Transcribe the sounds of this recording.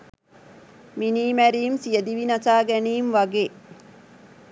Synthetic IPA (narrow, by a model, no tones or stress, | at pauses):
miniːmæɾiːmsijəd̪iʋinɐsaːɡæniːmʋaɡeː